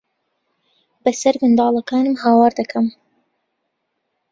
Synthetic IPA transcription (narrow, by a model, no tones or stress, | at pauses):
bɐsɐɾmɨnd̪ɑːlˠɐkaːnɨmhaːwɑːɾd̪ɐkʰɐm